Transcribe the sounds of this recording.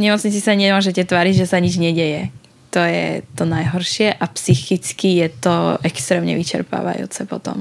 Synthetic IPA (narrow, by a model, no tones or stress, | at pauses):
ɲɛmɔt͡sɲit͡sisaɲɛmʊɔʒɛcɛt̪ʋaːɾiɟʒɛsaɲid͡ʒɲɛɟɛjɛ | t̪ɔjɛ̰t̪ɔnajɦɔɾʃɪɛʔapsixit͡skijɛt̪ɔʔɛkst̪ɾɛːmɲɛ̰ʋit͡ʃɛ̰ɾpa̰ːʋa̰jṵːt͡sɛpɔ̰t̪ɔ̰m